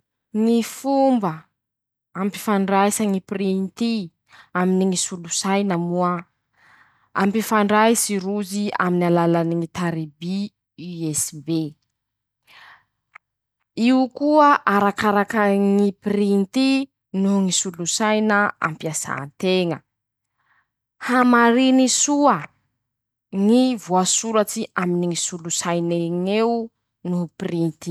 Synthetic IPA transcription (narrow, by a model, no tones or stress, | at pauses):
ŋifumbə | ampi̥faɳɖ͡ʐajsaŋipirint̪i | aminiŋisulusajnəmua | a̰mpifaɳɖ͡ʐajsiɾuzia̰minalalaniŋit̪aɾibi | iɛsbe | iukuəʔaɾakaɾakəŋipirint̪i | nuŋisulusajnəa̰mpjaza̰nt̪eŋə | hamaɾinisuə | ŋivuasuɾat͡ʃiʔaminiŋisulusajneŋeu | nuprint̪i